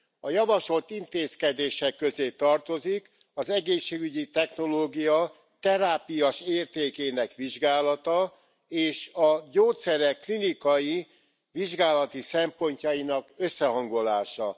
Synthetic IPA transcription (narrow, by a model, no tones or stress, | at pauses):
ɒjɒvɒʃo̞lt̪int̪eːskɛd̪eːʃɛkːøzeːt̪ɒrt̪o̞zik | ɒzɛɡeːʃːeːɡyɟit̪ɛxno̞loːɡijɒ | t̪ɛɾaːpijɒʃeːrt̪eːkeːnɛkʋiʒɡaːlɒt̪ɒ | eːʃɒɟoːt̪sɛɾɛkːlinikɒji | ʋiʒɡaːlɒt̪isɛmpo̞ɲcɒjinɒkøsːɛɦɒŋɡo̞laːʃɒ